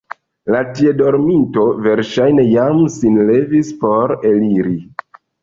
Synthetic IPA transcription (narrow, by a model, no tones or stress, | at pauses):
latie̞do̞ɾminto̞ve̞ɾʃajne̞jamsinle̞vispo̞ɾe̞liɾi